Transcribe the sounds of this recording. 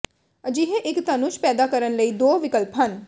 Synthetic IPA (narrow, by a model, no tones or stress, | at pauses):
əd͡ʒiːɦeʔɪkt̪ənʊʃpɛːd̪aːkəɾənləiːd̪oːʋɪkəlpɦən